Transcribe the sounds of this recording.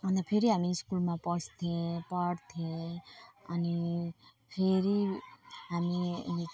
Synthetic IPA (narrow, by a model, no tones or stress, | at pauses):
ʌnapʰeɾiɦamiskulmãpɔst̪ʰiẽpɔɽt̪ʰiẽ | ʌni | pʰeɾi | amḭni